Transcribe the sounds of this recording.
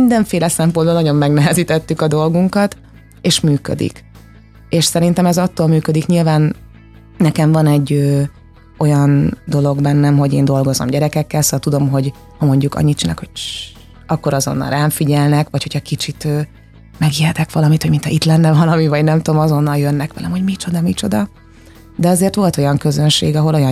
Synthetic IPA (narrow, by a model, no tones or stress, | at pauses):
nd̪ɛɱfeːlɛsɛmpond̪bonɒɟo̞mːɛɡnɛɦɛziːt̪ɛt̪ːykɒd̪o̞lɡuŋkɒt̪ | eːʃmyːkø̰d̪ḭk | eːʃsɛɾint̪ɛmɛzɒt̪ːoːlmyːkød̪ikɲilvaːn | nɛkɛɱvɒnɛɟːøː | o̞jɒnd̪o̞lo̞ɡbɛnːɛmɦo̞ɟeːnd̪o̞lɡo̞zo̰mɟɛɾɛkɛkːɛlsoɒlt̪ud̪o̞mɦo̞ɟ | hɒmo̞ɲɟukɒ̰ɲːit̪̚t͡ʃilɛ̰kho̞ɟ̥̚t͡ʃ | ɒkːo̞ɾɒzo̞̰nːɒ̰lraːɱfiɟɛlnɛkʋɒchocʰhɒkit͡ʃit̪øː | mɛɡjɛt̪ɛkʋɒlɒmit̪hoɟminɛit̪lɛnːɛvɒlɒmivɒɟnɛmt̪oomɒzo̞nːɒljønːɛkʋɛlɛ̰mho̞ɟmit͡ʃo̞d̪ɒmit͡ʃo̞d̪ɒ | d̪ɛɒzeːrt̪ʋo̞lt̪o̞jɒŋkø̞zønʃḛːɡɒɦo̞lo̞jɒ